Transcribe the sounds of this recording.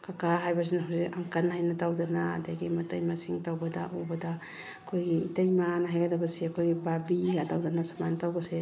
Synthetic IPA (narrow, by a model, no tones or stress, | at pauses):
kakaɦajbɐs̬inaɦawsikaŋkɐnɦajnɐtawdana̰ːdaɡimɐtajmasiŋtawbɐda̰ʔubɐda | ɐkʰojɡiːtajmanɐɦajɡɐdɐbɐseɐkʰojɡibabiɡatawdanasamantawɡɐse